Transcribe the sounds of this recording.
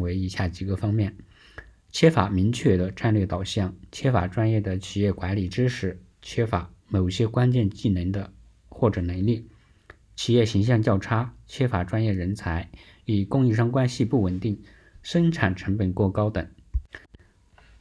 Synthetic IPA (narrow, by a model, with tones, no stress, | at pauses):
we˧˥ɪi˧˥ɕja˥˩t͡ɕi˨˩ɡə˦fɑ˥ŋmjɛ˥˩n | t͡ɕʰjɛ˥fa˨˩mi˧˥ŋt͡ɕʰɥɛ˥˩d̪ə˩ʈ͡ʂa˥˧nlɥɛ˥˩t̪ɑ˨˩ʊɕjɑ˥˩ŋt͡ɕʰɛ˥fa̰˨˩ʈ͡ʂwa˥njɛ˥˩d̪ə˩t͡ɕʰi˨˩jɛ˥˩kwa˧˥nli˨˩ʈ͡ʂɻ̩˥ʂɻ̩˧˥˦ | t͡ɕʰɛ˥fa˧˥mo˨˩ʊɕjɛ˥kwa˥nt͡ɕjɛ˥˧nt͡ɕi˥˩nə˧˥nd̪ə˧ | xwɔ˥˩ʈ͡ʂɤ˨˩nə˧˥nli˥˩ | t͡ɕʰi˨˩jɛ˥˩ɕi˧˥ŋɕ̬jɑ˥˧ŋt͡ɕjɑ˥˩ʊʈ͡ʂʰa˥t͡ɕʰjɛ˥fa˨˩ʈ͡ʂwa˥njɛ˥˩ɻə˧˥nt͡sʰa˧˥ɪ | i˨˩kʊ˥˧ŋi˥˧ʂ̬ɑ˥ŋkwa˥nɕi˧pu˥˩wə˨˩nt̪i˥˩ŋ | ʂə˥nʈ͡ʂʰa˨˩nʈ͡ʂʰɤ˧˥ŋpə˨˩nkwɔ˥˩kɑ˥ʊt̪ə˨˩˦ŋ